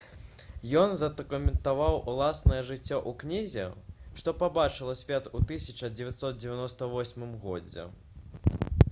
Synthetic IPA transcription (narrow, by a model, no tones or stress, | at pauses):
jɔnzɐd̪ɐkumʲɛnt̪avawʔulˠasnɐjɛʐɨt͡sʲːɔʔuknʲizʲɛʂt̪ɔpabat͡ʂɨlˠɐsʲvʲɛt̪ut̪ɨsʲɐt͡ʂɐd͡zʲɪvʲat̪sɔt̪̚d͡zʲɪvʲanɔst̪ɐvɔsʲmɨmɣɔd͡zʲɛ̰